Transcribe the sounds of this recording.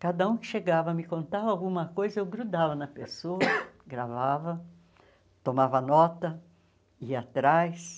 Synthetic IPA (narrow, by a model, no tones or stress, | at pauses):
kad̪ɐũkɪ̥ʃeɡavɐmɪkõnt̪avɐawɡũmɐkojzɐewɡɾud̪avɐnɐpesoɐɡɾavavɐ | t̪omavɐnɔt̪ɐ | iɐat̪ɾajs